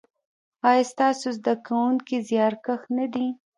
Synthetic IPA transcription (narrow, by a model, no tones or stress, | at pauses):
ɑjɑst̪ɑsozd̪akawuŋkizjɑɾkaxnad̪i